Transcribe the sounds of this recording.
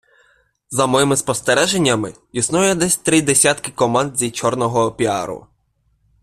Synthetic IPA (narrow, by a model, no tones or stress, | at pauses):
zɐmɔjɪmɪspɔst̪ɛɾɛʒenʲːɐmɪ | isnujɛd̪ɛsʲt̪ɾɪd̪esʲat̪kɪkɔmɑnd̪zʲit͡ʃɔrnɔɦɔːpʲiɑ̰ɾʊ̰